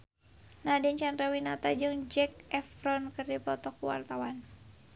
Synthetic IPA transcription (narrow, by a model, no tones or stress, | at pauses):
nadiɲt͡ʃanrawinat̪ad͡ʒɨŋd͡ʒɛk̚ɛfɾɔnkɨrdipɔt̪ɔkuwa̰rt̪awan